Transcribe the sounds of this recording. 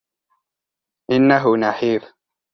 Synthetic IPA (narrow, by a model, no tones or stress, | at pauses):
ʔɪnːaɦʊnaħiːɾ